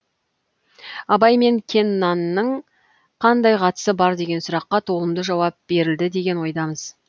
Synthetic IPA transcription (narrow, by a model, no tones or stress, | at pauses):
ɑbɑjme̞ŋkʲʰe̞nːɑnːəɴ | qʰɑnd̪ɑjqʰɑt̪ə̥səbɑɾd̪e̞ɡʲe̞nsʊɾɑqːɑt̪ʰo̞lˠəmd̪əʒɑwɑp̚b̥e̞ɾɪld̪ɪd̪e̞ɡʲe̞nwo̞jd̪ɑməz̥